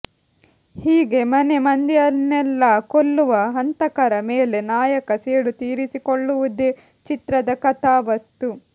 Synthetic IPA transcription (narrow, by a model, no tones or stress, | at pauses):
hiːɡe̞mɐne̞mɐnd̪ijɐnːɛlːɐkolːuʋɐɦɐnt̪ɐkɐɾɐmeːle̞naːjɐkɐseːɽut̪iːɾisikoɭːuʋud̪e | t͡ʃit̪ɾɐd̪ɐkɐt̪aːʋɐst̪u